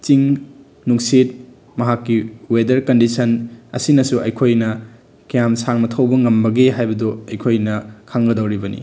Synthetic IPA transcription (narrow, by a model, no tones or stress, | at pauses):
t͡ʃiŋ | nuŋsit̚ | mɐɦakːiwedɐɾkɐndisɐnɐ̰sinɐsuʔɐ̰jkʰojnɐ | kijamsaŋmɐtʰɐwbɐŋɐmbɐɡeɦajbɐdɔɐjkʰojnɐkʰaŋɡɐdɐwɾibɐnḭ